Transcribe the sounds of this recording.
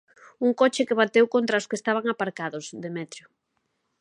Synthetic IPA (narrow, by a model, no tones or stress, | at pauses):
uŋkot͡ʃɪkɪβat̪ewkont̪ɾaoskest̪aβ̞aŋapaɾkaðʊsðemɛt̪ɾjʊ